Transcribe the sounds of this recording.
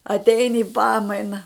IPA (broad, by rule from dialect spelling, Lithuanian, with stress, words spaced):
ɐtʲˈɛɪnʲɪ ɪ ˈpɑːmɐɪnɐ